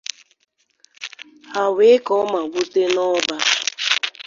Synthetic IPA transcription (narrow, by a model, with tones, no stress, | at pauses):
ha˨we˨˦kɔ˦ma˨ɡʷu˦te˦nɔ˦ba˦